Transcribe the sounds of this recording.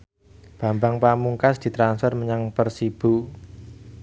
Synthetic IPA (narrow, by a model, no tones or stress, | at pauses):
b̥a̤mbaŋpamuŋkasd̪̥i̤t̪ɾansfɛrməɲaŋpərsib̥u